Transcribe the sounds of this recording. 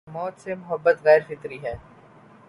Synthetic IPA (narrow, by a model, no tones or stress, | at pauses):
mɔːt̪semʊɦəbːət̪ɣɛːɾfɪt̪ɾiɦɛː